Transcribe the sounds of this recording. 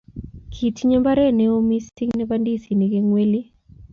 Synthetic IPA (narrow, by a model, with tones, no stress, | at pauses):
kʰi˨tɲɛ˦mba˦ɾɛ˦˨nɛ˦o˦mi˦sti˦ŋnɛ˦bandi˦si˨ni˨ke˦ŋwe˦li˦